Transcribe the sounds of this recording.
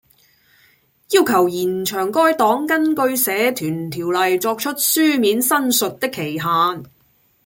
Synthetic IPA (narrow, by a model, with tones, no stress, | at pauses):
jiː˥wkʰɐ˨˩wjiː˨˩nt͡ʃʰœː˨˩ŋkɔː˥jt̪ɔː˨˥ŋkɐ˥nkɵ˧ɥsɛː˨˥t̪ʰyː˨˩nt̪ʰiː˨˩wlɐ˨jt͡ʃɔː˧k̚t͡ʃʰɵ˥t̚syː˥miː˨˥nsɐ˥nsɵ˨t̚t̪ɪ˥kʰːe˨˩jɦaː˨˧n